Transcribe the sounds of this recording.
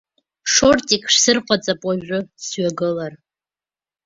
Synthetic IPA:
ʂortʼikʰʼʂsɨrqʷʰʼat͡sʼapʼwaʒᶣʷʊsɥaɡɨlar

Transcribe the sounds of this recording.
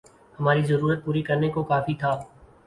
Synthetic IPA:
hɐmaːɾizɐɾuːɾət̪̚puːɾikɐɾnekokaːfit̪ʰaː

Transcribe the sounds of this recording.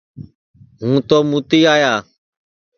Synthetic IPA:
ɦũːt̪oːmuːt̪iːaːjaː

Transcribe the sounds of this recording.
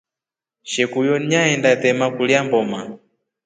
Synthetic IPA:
ʃɛkujɔniɲaɛndat̪ɛmakuliambɔma

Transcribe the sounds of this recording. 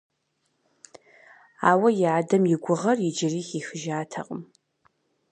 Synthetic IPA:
aːwɐjɪaːdɐmjɪɡʷʊʁɐrjɪd͡ʒɪriːxiːxɨʒaːtʰɐ̰qʼə̰m

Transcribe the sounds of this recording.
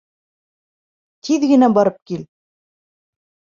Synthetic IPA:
t̪ʰiðɡɘ̆næbɑɾɤp̚kil

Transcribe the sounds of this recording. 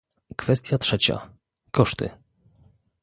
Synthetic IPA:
kfɛst̪ʲjatʂɛt͡ɕa̰ | kɔʂt̪ɘ̰

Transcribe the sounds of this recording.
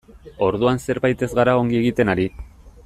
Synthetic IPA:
o̞ɾðuanse̞ɾβajt̪e̞zɣaɾao̞ŋɡie̞ɣit̪e̞naɾi

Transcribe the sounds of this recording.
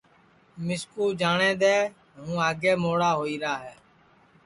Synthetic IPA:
mɪskuːd͡ʒaːɳẽːd̪eː | ɦũːaːɡeːmoːɽaːɦoːiːɾaːɦɛː

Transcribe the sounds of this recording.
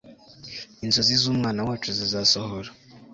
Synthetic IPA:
inzozizuːmŋaːnawaːt͡ʃuzizasohoɾa

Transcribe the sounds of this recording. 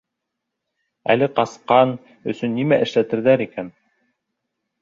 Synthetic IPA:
æ̰lɘqɑsqɑn | ɵ̆sɵnːimæʔɘ̆ʃlæt̪ɘ̆ɾðæɾikæn

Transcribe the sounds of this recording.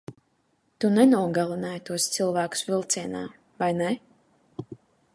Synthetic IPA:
t̪unɛnuɔɡalˠinajt̪uɔst̪sɨlˠvæːku̥svʲilˠt̪siɛna̰ː | vajnɛ

